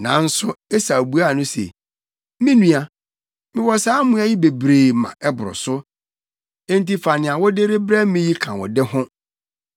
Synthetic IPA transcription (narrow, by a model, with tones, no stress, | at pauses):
nã˨˦n̩˦sʊ˦ɛ˦sa˨bu˨˦a˦˨nʊ̃˦sḛ˨ | mɪ̃˦nũ˨a˨ | mɪ̃˦wɔ˨saː˦mũ˦a˦ji˦be˨bɾeː˨mã̰˨ʔɛ˦bʊ˨ɾʊ̰˨sʊ˦ | ẽ˦n˦ti˦fa˨nɪ̃˨a˨wɔ˦de˦ɾe˦bɾɛ˦mɪ̃˦ji˦kʰã˨wɔ̰˨dɛ˦ɦʊ̃˦